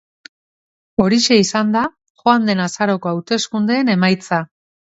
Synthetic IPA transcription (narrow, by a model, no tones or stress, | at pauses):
o̞ɾiʃe̞isand̪a | xoand̪e̞nasaɾo̞ko̞awt̪e̞skund̪e̞ːne̞majt͡sa